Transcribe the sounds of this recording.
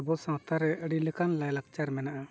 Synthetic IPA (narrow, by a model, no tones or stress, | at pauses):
bɔsãt̪ʰaɾɛʔəɽiləkanlajlak̚t͡ʃaɾmɛnaʔa